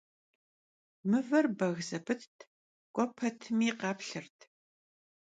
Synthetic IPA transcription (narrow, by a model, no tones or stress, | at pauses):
mɨvɐrbɐɣzɐbʰɨtʰtʰ | kʷʼɔpʰɐtʰɨmiːqɑːpɬɨrtʰ